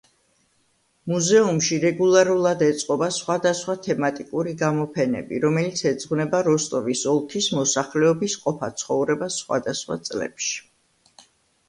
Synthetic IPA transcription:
muzɛumʃiɾɛɡulˠaɾulˠad̪ɛt̪sʼqʼɔbasχwad̪asχwat̪ʰɛmat̪ʼikʼuɾiɡamɔpʰɛnɛ̰bḭɾɔmɛlit̪sʰɛd̪zʼʁvnɛbaɾɔst̪ʼɔvisɔlˠkʰismɔsaχlɛɔbisqʼɔpʰat̪sʰχɔvɾɛbasːχwa̰d̪asχwa̰t̪sʼlɛ̰pʃi̥

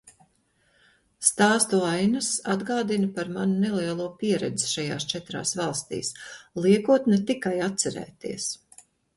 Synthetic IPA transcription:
st̪aːst̪uajnɐsad̪ɡaːd̪inɐpaɾmanunɛlˠiɛlˠuːɔpiɛɾɛ̰d̪zi̥ʃaja̰ːst͡ʃɛt̪ɾa̰ːsvɑlˠst̪ḭːslˠiɛkuɔt̪nɛt̪ikajat̪t̪sɛɾɛ̰ːt̪ḭɛs

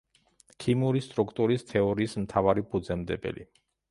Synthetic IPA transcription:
kʰimuɾist̪ʼɾukʰt̪ʼuɾist̪ʰɛɔɾiːsmt̪ʰavaɾipʰʼud̪zɛmd̪ɛbɛ̰lḭ

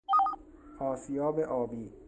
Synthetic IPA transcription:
ɒːsijɒːbeʔɒːbiː

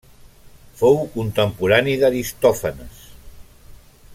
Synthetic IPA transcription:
fowkunt̪əmpuɾaniðaɾist̪ɔfənəs

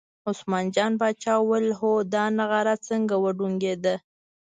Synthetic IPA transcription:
ʊsmɑnd͡ʒɑnbɑt͡ʃɑwəlɦod̪ɑnaɣaɾat͡səŋɡawəɖuŋɡed̪ə

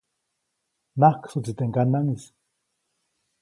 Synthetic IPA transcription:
nahksut͡sit̪eŋkanaŋis

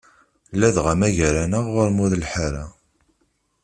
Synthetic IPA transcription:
lːæðʁamæʝæɾænəʁːʊɾmuðlħaɾa̰

